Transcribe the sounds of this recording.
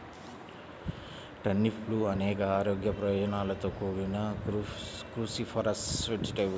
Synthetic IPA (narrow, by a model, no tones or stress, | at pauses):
ʈɐnːipʰluːɐnɛːkɐaːɾo̞ːɡjɐpɾɐjoːd͡ʒɐnaːlɐt̪o̞ːkuːɾunɐ | kɾuːsipʰɐɾɐsʈʋed͡ʒiʈiʋ